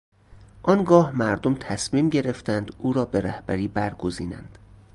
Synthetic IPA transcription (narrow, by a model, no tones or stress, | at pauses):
ʔɒnɡɒːhmæɾd̪omt̪ʰæsmiːmɟe̞ɾe̞ft̪ænd̪uːɾɒːbe̞ɾæhbæɾiːbæɾɡoziːnæ̰nd̪̥